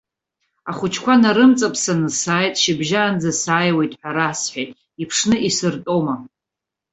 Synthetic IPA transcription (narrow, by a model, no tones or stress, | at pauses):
aχʊt͡ʃʰkʷʰanaɾɨmt͡sʼapʰʼsanɨsaːjtʼʃɪbʒaːnd͡zasaːjwe̞jtʼħʷᶣaɾasħʷᶣajtʼ | ipʰʂnɨʔisɨrtʼo̞ma